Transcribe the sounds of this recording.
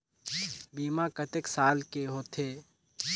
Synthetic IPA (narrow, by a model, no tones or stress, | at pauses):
biːmakət̪eksaːlkeɦoːt̪ʰeː